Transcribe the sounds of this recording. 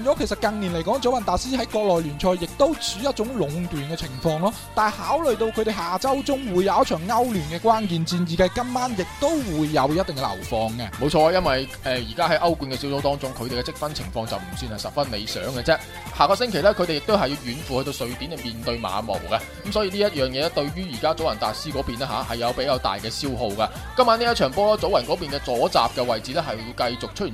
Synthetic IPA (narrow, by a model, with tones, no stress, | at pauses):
nt͡sɔː˨˥kʰe˨˩sɐ˨˩t̚kɐ˧ŋni˨˩nle˨˩kɔː˨˥ŋt͡so˨˥wjɐ˨nt̪aː˨siː˥hɐ˨˥jkɔː˧k̚lɔː˨jlyː˨˩nt͡ʃʰɔː˧jːɪ˨k̚t̪o˥wt͡syː˨˧˥jɐ˥t̚t͡ʃʊ˨˥ŋlʊ˨˧ŋt̪yː˨nkɛː˧t͡sʰɪ˨˩ŋfɔː˧ŋlɔː˥t̪aː˨˩nhaː˨˥wlɵ˨ɥt̪o˧wkʰɵ˨˧ɥt̪e˨jɦhaː˨t͡sɐ˥wt͡sʊ˥ŋwuː˨˧jɐ˨˧wjɐ˥t̚t͡ʃʰœː˨˩ŋːɐ˥wlyː˨˩nkɛː˧kwaː˥nkiː˨nt͡siː˧njiː˨˩kɐ˧jkɐ˥mmaː˥njɪ˨k̚t̪o˥wwuː˨˧jːɐ˨˧wjɐ˥t̚t̪ɪ˨ŋkɛ˧lɐ̰˨˩wfɔː˨˧ŋkɛ˧mo˨˧wt͡ʃʰɔː˧a˧jɐ˥nwɐ˨jʔɛː˨jiː˨˩kaː˥hɐ˨˥jʔɐ˥wku˨˧nkɛ˧si˨˥wso˧wt̪ɔː˥ŋt͡sʊ˥ŋkʰɵ˨˧ɥt̪e˨˩kɛ˧t͡sɪ˥k̚fɐ˥nt͡sʰɪ̰˨˩ŋfɔː˧ŋt͡sɐ˨wm̩˨˩syː˧nhɐ˨jsɐ˨t̚fɐ˥nnḛ˨˧jsœ̰ː˨˥ŋɡɛ˧t͡sɛ˥ | haː˨˧kɔː˧s̬ɪ˥ŋkʰe˨˩jlɛ˥kʰɵ˨˧ɥt̪e˨jɪ˨k̚t̪o˥whɐ˨jiː˧wjyː˨˧nfu˨hɵ˧t̪o˧wsɵ˨˧ɥt̪i˨˥nɛ˨miː˨nt̪ɵ˧ɥma̰ː˨˧mo̰˨˩wkɐ˧˨˦msɔː˨˥jiː˧liː˥jɐ˥t̚jœː˨ŋjɛː˨˧lɛ˥t̪ɵ˧ɥjyː˥jiː˨˩kaː˥t͡so˨˥wjɐ˨˩nt̪aː˨t̚siː˥kɔː˨˥piː˨˩nɛː˥ɦaː˨˦hɐ˨jːɐ˨˧wpe˨˥jkaː˧wt̪a̰ː˨jkɛː˧siː˥wɦo˧wkɐ˧ | kɐ˥maː˥niː˥jɐ˥t̚t͡ʃʰœː˨˩ŋpɔː˥lɔː˥t͡so˨˥wjɐ˨˩nkɔː˨˥p̬iː˨˩nkɛː˧t͡sɔː˨˥t͡sa̰ː˨p̚kɛ˧wɐ˨jt͡siː˨lɛː˥ɦɐ˨jji˧wkɐ˧jt͡sʊ˨k̚t͡ʃʰɵ˥t̚yi˨˩